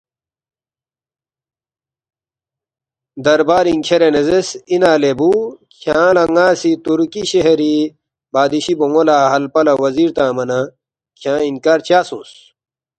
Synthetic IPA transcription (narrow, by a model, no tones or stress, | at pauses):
d̪ɐɾbaːɾiŋkʰeɾenezesinaːlebukʰjãːlɐŋaːsit̪uɾkiɕeɦeɾi | baːd̪iɕiboŋolaːɦɐlpɐlɐwɐziːɾt̪ãːmɐnɐ | kʰjãːinkaːɾt͡ɕaːsṵ̃ːs